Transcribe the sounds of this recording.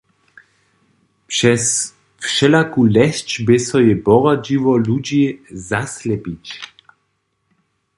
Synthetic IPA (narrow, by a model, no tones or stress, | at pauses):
pʃɛs | fʃɛlakulɛst͡ʃbesɔjɛbɔʁad͡ʒivɔlud͡ʑezaslɛpic